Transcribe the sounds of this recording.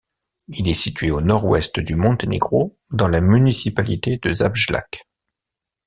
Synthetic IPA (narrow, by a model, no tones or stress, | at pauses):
ilɛsit̪ɥeonɔʁwɛ̰st̪d̪ymɔ̃t̪enḛɡʁo | d̪ɑ̃lamynisipalit̪ed̪əzabʒla̰k